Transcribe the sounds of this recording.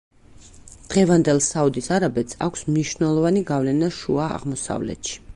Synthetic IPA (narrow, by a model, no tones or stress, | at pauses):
d̪̥ʁɛvand̪ɛlˠsaud̪isaɾabɛt̪sʰa̰kʷʰsmniʃnɛlˠɔvaniɡavlɛnaʃua̰ːʁmɔsa̰vlɛ̰t̪ʃi̥